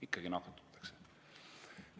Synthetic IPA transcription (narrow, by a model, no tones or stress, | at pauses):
ikːˑɑɡ̥inɑkːˑɑt̪ːˑu̥t̪ːˑɑ̥kse